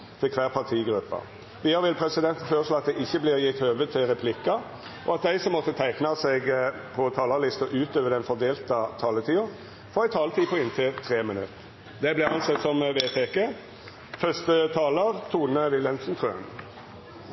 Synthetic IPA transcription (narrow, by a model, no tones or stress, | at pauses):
t̪ʰɪlkʰʋæːʁpʰɑt̪ʰiːɡɾʉpːɑ̰ | ʋɪɑɾʋɪlpʰʁɛsɪd̪ɛnt̪n̩føːʁəʂloːɑt̪̚d̪ɛʔɪçːəblɪʁjɪt̪høːʋət̪ʰːɪlʁɛpʰlɪkːɑ | ʔɔɑt̪̚d̪æɪsɔmːɔt̪ːət̪ʰæɪknɑsɛɡ | pʰɔt̪ʰɑːlɑʁlɪst̪əʔʉːt̪øːʋəd̪ɛnfɔd̪eːlt̪ət̪ʰɑːlət̪ʰiːʊ | fɔʁæɪt̪ʰɑːlət̪ʰiːpʰɔɪnt̪ʰɪlt̪ʰʁeːmɪnʉ̰t̪ːə | d̪ɛblɪɑnsɛt̪ːsɔmʋeːt̪ʰekə | fœʂt̪ət̪ʰɑːləɾt̪ʰuːnəʋɪlɛnsnt̪ʰʁʉɑ̰n